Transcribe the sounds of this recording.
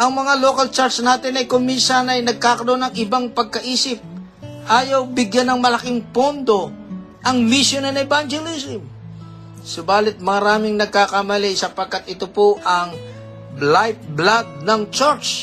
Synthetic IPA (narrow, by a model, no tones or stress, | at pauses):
ʔɐŋmɐŋaloːkɐlt͡ʃaɾt͡ʃnaːt̪ɪnɐjkomiːsɐnɐjnɐɡ̚kaːkɐɾonɐŋɪbaŋpɐɡ̚kɐʔiːsɪp̚ | ʔaːjawbɪɡjanɐŋmɐlɐkɪŋpond̪o̞ | ʔɐŋmɪsjonɐnɛband͡ʒɛlisɪm | sʊbaːlɪt̪̚mɐɾaːmɪŋnɐɡ̚kakɐmɐlisɐpɐɡ̚kat̪ɪt̪opoʔɐŋ | blajt̪̚blad̪̚nɐŋt͡ʃɛɾt͡ʃ